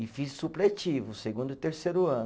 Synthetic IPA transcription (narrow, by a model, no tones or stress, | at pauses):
ɪfissuplet͡ʃivʊseɡũnd̪ʊɪt̪eɾseɾʊɐ̃n